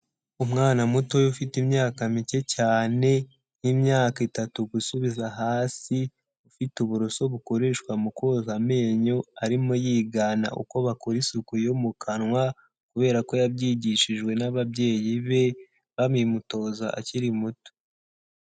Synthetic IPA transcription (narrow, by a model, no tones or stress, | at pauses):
umŋaːnamuto̞jufitimɲaːkamice̞caːne̞ | nimɲaːkitatuɡusuβizaɦaːsi | ufituβuɾoso̞βuko̞ɾe̞ʃkwamuko̞zame̞ːɲo̞aɾimo̞jiːɡana̰ʔṵko̞βakoɾisukujomukʰanwa | kuβe̞ːɾako̞jabjiːɟiʃiʒɡwe̞naβabɟe̞ːjiβe̞ | βamimuto̞ːzaʔa̰ciɾimuto̥